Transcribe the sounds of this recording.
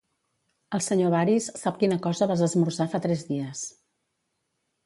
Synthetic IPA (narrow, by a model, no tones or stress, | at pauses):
əlˠsəɲoβaɾisːap̚kinəkɔzəβazəzmursafat̪ɾɛzðiəs